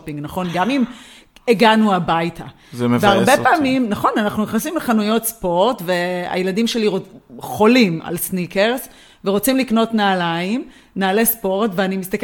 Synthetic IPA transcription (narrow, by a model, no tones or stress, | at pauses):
piŋɡnaχo̞nɡamim | eɡanuabajtʰa | zeveaʁbepaːmimnaχo̞nanaχnuniχnasimleχanujo̞tspo̞ʁtve̞a̰jeladimʃeliʁoχo̞lima̰lsnike̞ʁs | veʁo̞t͡simlikno̞tnaːlaim | naːle̞spo̞ʁtveanimist̪ak